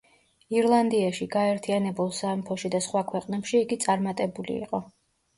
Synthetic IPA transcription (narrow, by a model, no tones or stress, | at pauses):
iɾlˠand̪iaʃiɡaɛɾt̪ʰianɛbulˠsampʰɔʃid̪asχwakʰwɛqʼnɛpʃiːɡit̪sʼaɾmat̪ʼɛbulḭːqʼɔ